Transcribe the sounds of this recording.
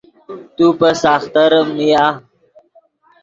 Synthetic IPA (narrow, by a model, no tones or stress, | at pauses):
t̪upəsaxt̪əɾmija